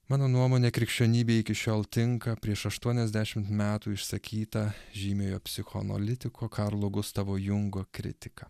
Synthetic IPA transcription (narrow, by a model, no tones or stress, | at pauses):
mɑːnoːnuɔmoːnʲeːkɾʲɪkʃʲt͡ʃʲoːnʲiːbʲeɪkʲɪʃʲoːlˠt̪ʲɪŋkɐpʲɾʲiɛʃɐʃt̪uɔnʲɛzʲd̪ʲæʃʲɪmt̪mʲæːt̪uːɪʃsɐkʲʰiːt̪ɐʒʲiːmʲoːjoːpʲsʲɪxoɐ̰nɐ̰lʲɪt̪ʲɪkʰoːkʰɑɾlˠoːɡʊst̪ɑʋoːjʊŋɡoːkɾʲɪ̰t̪ʲɪ̥kɐ